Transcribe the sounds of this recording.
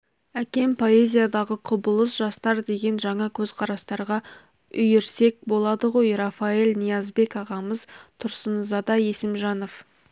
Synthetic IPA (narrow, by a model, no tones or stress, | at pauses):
ækʲe̞mpʰo̞e̞zʲijad̪ɑʁəqʰʊbəlˠəsʒɑst̪ɑɾd̪e̞ɡʲe̞nʒɑɴɑkʲʰɵzqʰɑɾɑst̪ɑɾʁɑ | ʏjeɾse̞k̚bo̞lˠɑd̪əʁo̞jrɑfae̞lʲnijɑzbe̞kɑʁɑməzt̪ʰʊɾsənzɑd̪ɑje̞sɪmʒɑno̞f